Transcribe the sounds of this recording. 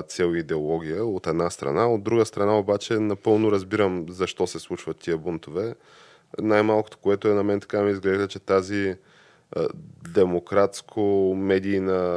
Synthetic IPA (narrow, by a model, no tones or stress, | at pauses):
t̪sʲɛlˠid̪ɛolˠɔɡʲijəot̪ɛd̪nast̪ɾɐ̰naod̪ːɾuɡəst̪ɾɐnaobat͡ʃɛnɐpɤlˠnʊɾɐzbiɾəmzɐʃt̪ɔsɛslˠut͡ʃvət̪ːiəbunt̪ovɛ | najmalˠkot̪o̥koɛt̪oɛnɐmɛnt̪ɐ̥kamɛizɡlɛʒd̪ət͡ʃɛt̪azi | d̪ɛmokɾat̪skʰomɛd̪ijnə